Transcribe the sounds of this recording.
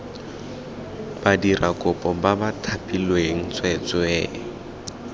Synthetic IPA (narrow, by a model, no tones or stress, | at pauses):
b̥adirʔakʼʊpʼɔbabatʰapʼilweŋ̩t͡sʼwɛt͡sʼɔɛː